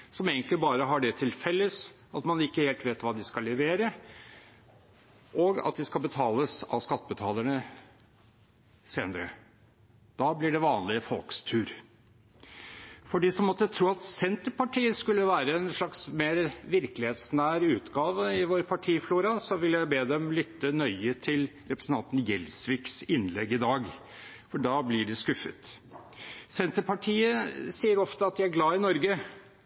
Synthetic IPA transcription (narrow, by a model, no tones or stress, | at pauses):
sɔmeːɡənt̪lɪbɑːɾəɦɑɖɛt̪ʰɪlfɛlːəs | ɑt̪mɑnɪkːəheːlt̪ʋeːt̪ʋɑːd̪ɪskɑlːɛʋeːɾə | ʔɔɡɑ̰t̪̚d̪ɪskɑlbət̪ʰɑːləsɑ̰ʋskɑt̪ːəbət̪ʰɑːləɳə | seːnəɾə̰ | d̪̥ɑːblɪɖɛʋɑːnlɪəfɔlkst̪ʰʉːɾ | fɔɖiːsɔmɔt̪ːət̪ʰɾuːɑt̪sɛnt̪əɾpɑʈʰiːəskʉlːəʋæːɾəɛnʂɭɑksmeːɾʋɪɾkəlɪheːt̪snæːɾʉːt̪ɡɑːʋəɪʋoːɾpʰɑʈʰiːfluːɾɑsɔʋɪljæɪbeːd̪ɛmlʏt̪ːənœʏət̪ʰɪl | ɾɛpɾəsn̩ʰɑnt̪n̩jɛlsʋɪksɪnlɛ̰ɡːɪd̪ɑːɡ | fɔɖɑːblɪɖɛskʉfə̰t̪ | sɛnt̪əɾpɑʈʰiːəsiːəɾɔft̪əɑt̪̚d̪ææɾɡlɑːɪnɔɾɡə